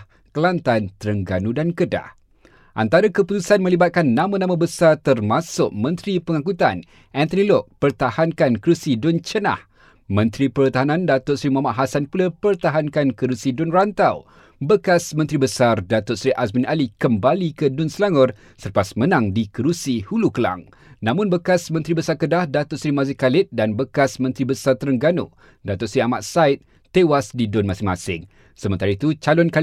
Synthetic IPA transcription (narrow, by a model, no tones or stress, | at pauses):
kəlant̪ant̪əɾəŋɡanũdankəda̰ | ʔa̰nt̪aɾakəput̪usanmə̃libat̪̚kanːãmãnãmãbəsart̪ərmasʊʔ̚mə̃nt̪ɾipəŋakut̪an | ʔɛnt̪ɔnilɔʔ̚pərt̪ahankankəɾusidʊnt͡ʃəna̰h | mə̃nt̪ɾipərt̪aɦanãndat̪ʊt̚sɾimamaʔɦasanpulapərt̪aɦankankəɾusidʊnrant̪aw | bəkasmə̃nt̪ɾibəsardat̪ʊsɾiʔasminalikəmbalikədʊnsəlaŋɔr | sərpasmə̃nãŋdikəɾusihulukəla̰ŋ | nãmʊ̃nbəkasmə̃nt̪ɾibəsarkədahdat̪ʊt̚sɾimazɪkːalɪt̪̚danbəkasmə̃nt̪ɾibəsart̪əɾəŋɡano̰ | dat̪ʊʔ̚sɾiamaʔ̪̚saɪt̪̚ | t̪ːewasdidʊnmãsɪŋma̰sɪŋ | səmə̃nt̪aɾait̪ut͡ʃalɔnka